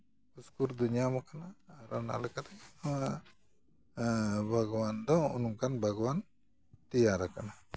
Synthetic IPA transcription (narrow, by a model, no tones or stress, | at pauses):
uskuɾd̪unijamɔkanaːɾana̰lɛkat̪ɛama | bʱaɡwand̪ɔ̃ṵnuŋkanbʱaɡɔwan | t̪ijaɾakana